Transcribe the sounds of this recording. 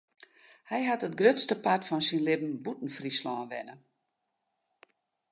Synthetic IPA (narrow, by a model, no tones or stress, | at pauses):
hɛjɦatətɡrøtstəpatfɔnsinlɪbn̩butn̩frislɔːnʋɛ̰nə